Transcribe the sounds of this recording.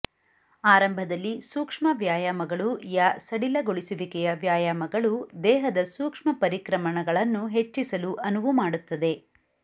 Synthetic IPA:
aːɾɐmbʱɐd̪ɐlːisuːkʂmɐʋjaːjaːmɐɡɐɭujaːsɐɽilɐɡoɭisuʋikɛjɐʋjaːjaːmɐɡɐɭud̪ɛːɦɐd̪ɐsuːkʂmɐpɐɾikɾɐmɐɳɐɡɐɭɐnːuɦe̞t͡ʃːisɐluʔɐnuʋumaːɽut̪ːɐd̪e̞

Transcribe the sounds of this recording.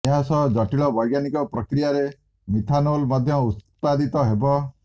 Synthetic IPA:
eɦasɔd͡ʒɔʈiɭɔbɔjɡanikɔpɾɔkɾijaɾe | mit̪ʰanolmɔd̪ʱjɔut̪ | pad̪it̪ɔɦebɔ

